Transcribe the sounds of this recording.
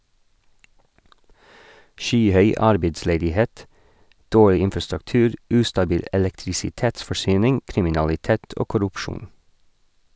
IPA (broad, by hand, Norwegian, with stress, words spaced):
ˈʃyːˌhœʏ ˈɑɾbeɪdsleːdɪˌheːt ˈdoːɭɪ ˈɪnfɑstʉkˌtʉːɾ ˈʉːstɑˌbiːl ʔɛlɛktɾɪsɪˈteːtsfɔˌʃyːnɪŋ kɾɪmɪnɑlɪˈteːt ˈoː kʊɾʉpˈʃuːn